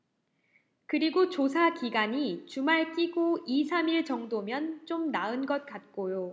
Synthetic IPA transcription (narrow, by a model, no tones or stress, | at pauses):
kɯɾiɡot͡ɕos̬ʰakiɡaɲit͡ɕumaɭk͈iɡoisʰamiɭt͡ɕʌŋdomjʌnt͡ɕ͈omnaɯnɡʌt̚k͈at̚k͈ojo